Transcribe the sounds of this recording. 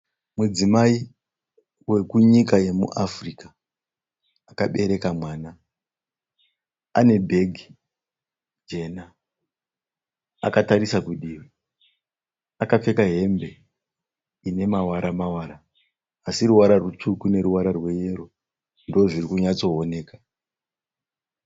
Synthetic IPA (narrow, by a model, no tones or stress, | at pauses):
mud͡zimai | we̞kuɲikaje̞mṵʔafrika | kaɓe̞ɾe̞kamwaːna | ane̞bʱe̞ɡʱi | d͡ʒe̞na | a̰kataɾisakuɗiːri | akap͡fe̞kaɦe̞mbe̞ | ine̞mawaɾamawaːɾaː | siɾuwaɾarwut͡ʂukune̞ɾuwaɾarwe̞je̞ɾo | ndoʐirikuɲat͡so̞one̞ːkḁ